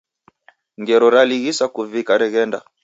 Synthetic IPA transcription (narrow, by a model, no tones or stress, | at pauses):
ŋɡɛɾɔɾaliɣisakuvikaɾɛɣɛnda̰